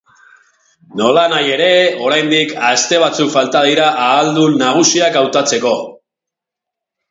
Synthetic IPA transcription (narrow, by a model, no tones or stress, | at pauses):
no̞lanaje̞ɾe̞o̞ɾajnd̪ikast̪e̞β̞at͡sukfalt̪að̞iɾaʔaːld̪unaɣ̞usiakawt̪at͡se̞ko̞